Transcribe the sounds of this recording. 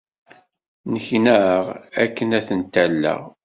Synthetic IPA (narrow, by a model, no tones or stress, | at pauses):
nəçnæʁækːənæθənt̪ælːə̰ʁ